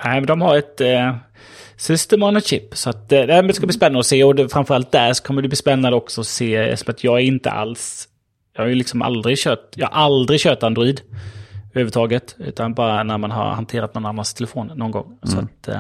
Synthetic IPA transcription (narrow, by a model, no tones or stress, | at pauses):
næɪmɛnd̪ɔmhaɾɛt̪ | sʏst̪əmɔnəɕɪpːsɔat̪næmɛnd̪ɛskabliːspɛnːanɔseːɔd̪ɛfɾanfœɾalt̪̚d̪æɾsɔ̥kʰɔmːəd̪ɵbliːspɛnːand̪əɔksɔɔsḛːsɔmat̪ʰjɑːɡæɾɪnt̪ə̰ʔa̰ls | jɑːhajɵlɪksɔmʔa̰ld̪ɾɪɡɕøːʈjɑːha̰ʔald̪ɾɪɡɕøːt̪and̪ɾʊiːd̪œhʉːvəɾt̪ʰɑːɡət̪ʉ̟ːt̪anbɑːɾanæɾmanɦa̰ɾhant̪ʰeːɾat̪nɔnːanːanst̪ʰɛlɛfoːnːɔnɡɔ̰ŋːssɔa̰t̪